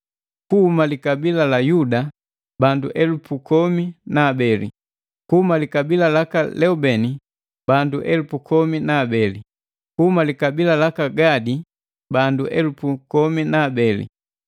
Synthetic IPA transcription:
kuhumalikabilalajuda | banduʔɛlupukɔminaːbɛlḭ | kuhumalikabilalakalɛubɛni | banduʔɛlupukʰɔminaːbɛlḭ | kuhumalikabilalakaɡadi | banduʔɛlupukɔminaːbɛlḭ

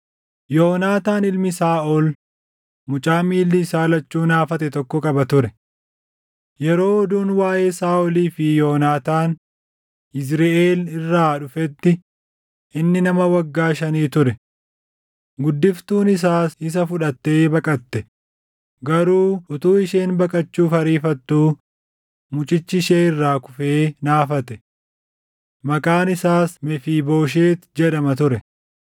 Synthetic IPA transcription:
jonaːt̪aːnɪlmɪsaːʔɔl | mʊt͡ʃʼaːmiːlːɪsaːlɐt͡ʃːuːnaːfɐt̪ɛt̪ɔkːɔkʼɐbɐt̪ʊɾɛ | jɛɾo̞ːd̪uːnwaːʔe̞ːsaːʔɔliːfɪjoːnaːt̪aːn | ɪs̬ɾeːʔeːlɪrːaːᶑʊfɛt̪ːɪ | ʔɪnːɪnɐmɐwɐɡːaːʃɐniːt̪ʊɾɛ | ɡʊd̪ːɪft̪uːnɪs̬aːsɪs̬ɐfʊᶑɐt̪ːe̞ːbɐkʼɐt̪ːɛ | ɡɐɾuːʊt̪uːɪʃeːnbɐkʼɐt͡ʃːuːfɐɾiːfɐt̪ːuː | mʊt͡ʃʼɪt͡ʃːɪʃeːɪrːaːkʊfeːnaːfɐt̪ɛ | mɐkʼaːnɪsaːsmɛfiːbo̞ːʃ̬eːt̪d͡ʒɛᶑɐmɐt̪ʊɾɛ

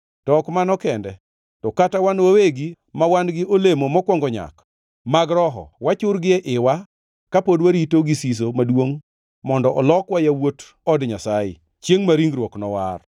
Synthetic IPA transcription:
tɔkmanɔkɛndɛ | tɔkatawanwaweɡi | mawanɡɪʔolemomɔkwɔŋɡɔɲa̰k | maɡɾɔɦɔ̰wat͡ʃʊɾɡɪɛʔɪwa | kapodwaɾitoɡisis̬omadwoŋ | mɔndɔʔɔlɔkwajawot | ɔdɲasajɪ̰ | t͡ʃjeŋmaɾiŋɡɾwɔknɔwa̰r

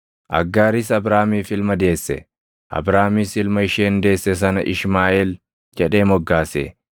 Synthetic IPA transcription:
ʔɐ̰ɡːaːɾɪs̬ɐbɾaːmiːfɪlmɐd̪e̞ːsːɛ̰ | ʔɐ̰bɾaːmiːsɪlmɐɪʃeːnd̪e̞ːsːɛsɐnɐʔɪʃmaːʔel | d͡ʒɛᶑe̞ːmɔɡːaːsḛː

